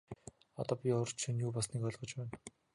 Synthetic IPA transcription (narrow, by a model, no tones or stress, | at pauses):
ɔ̰t̪ɔːpʲiʊrt͡ɕʰĭnjuːpɔsniːkɔɮʁɞ̆t͡ɕpæːn